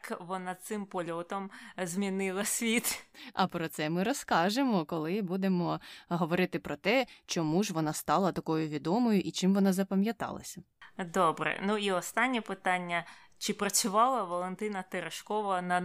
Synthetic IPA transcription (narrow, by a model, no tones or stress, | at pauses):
kʋɔnasɪmpɔlʲɔt̪ɔmzmʲinɪlˠɐsʲʋʲit̪ɐpɾɔt̪sɛmɪɾɔskɑʒemɔkɔlˠɪbud̪emɔɦɔʋɔɾɪt̪ɪpɾɔt̪ɛt͡ʃɔmuʒʋɔnɑst̪ɑlˠɐt̪ɐkɔjʊʋʲid̪ɔmɔjʊʔit͡ʃɪmʋɔnɑzɐpɐmʲjɐt̪ɑ̰lˠɐ̰sʲɐd̪ɔbɾɛ̰nuiɔst̪ɑnʲːɛpɪt̪ɑnʲːɐ | t͡ʃɪpɾɐt͡sʲʊʋɑlˠɐʋɔlˠent̪ɪnɐt̪eɾɐʃkɔʋɐnɐ